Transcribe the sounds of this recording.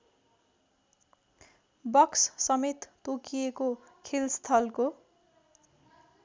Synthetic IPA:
bʌkssʌmet̪ːokijeko | kʰelst̪ʰʌlko

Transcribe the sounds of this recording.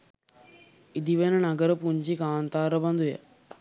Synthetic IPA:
id̪iʋenənaɡəɾəpuɲd͡ʒikaːnt̪aːɾəband̪ujə̰

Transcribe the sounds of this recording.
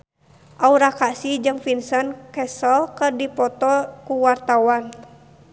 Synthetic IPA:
ʔauɾakasid͡ʒɨŋfinsənkɛsəlkərdipɔt̪ɔkuwart̪awan

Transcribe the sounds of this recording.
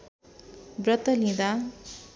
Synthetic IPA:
brʌt̪ʌlĩd̪a

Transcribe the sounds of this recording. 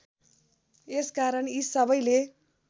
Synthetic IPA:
eskaɾʌnisʌbʌjle

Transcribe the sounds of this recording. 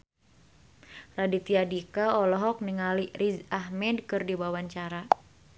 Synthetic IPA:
radit̪iadikaɔlɔɦɔk̚niŋalirʔizaɦmɛdkɨrdibawaɲt͡ʃaɾa

